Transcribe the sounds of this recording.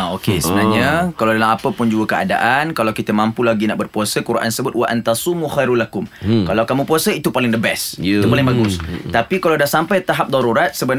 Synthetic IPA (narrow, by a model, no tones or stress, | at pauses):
aokesəbənaɲakalawdalamapəpʊnd͡ʒuəkəa̰da̰ʔankalawkit̪əmãmpulaɡina̰ʔbərpuasəkuɾʔa̰nsəbʊt̪̚waʔant̪asumuxajɾulakʊmkalawkamũpuasəit̪upalɪŋd̪əbɛsit̪upalɪŋbaɡʊst̪apikalawdahsampajt̪aɦap̚d̪ɑɾuɾat̪̚səbən